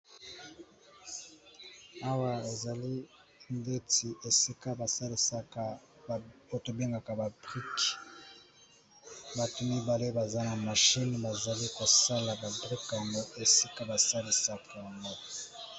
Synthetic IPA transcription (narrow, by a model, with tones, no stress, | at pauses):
a˦wa˨e˨za˨li˦ | nde˦ti˨ʔe˨si˦ka˦ba˨sa˦li˨sa˦ka˦˨ | o˨to˨be˦ŋɡa˨ka˨ba˨bʁi˦k | ba˨tu˨mi˦ba˨le˦ba˨za˦na˨ma˨ʃi˦nba˨za˨li˦ko˨sa˦la˨ba˨bʁi˦ka˨mbo˦e˨si˦ka˦ba˨sa˦li˨sa˦ka˨ja˨ŋɡo˦